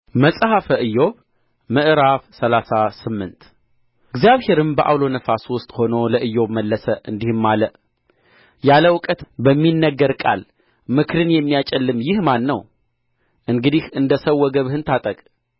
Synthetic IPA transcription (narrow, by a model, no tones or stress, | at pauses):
məsʼhafəʔɨjːo̞β | mɨʔɨɾafsəlasasɨmːɨnt̪ | ɡzjaβhe̞ɾɨmbəʔa̰wlo̞nəfaswʊst̪ʼho̞noləʔɨjːo̞βməlːəsəɨnd̪ihɨmːaləʔ | jaləwʊkʼət̪bəmːinːəɡːəɾkʼa̰l | mɨkʰɨɾɨnjɛmːijat͡ʃʼɛlːɨmjɪhmanːəw | ʔɨŋɡɨd̪ihɨnd̪əsəwːɔɡəβhɨnt̪ʰat̪ʼəkʼ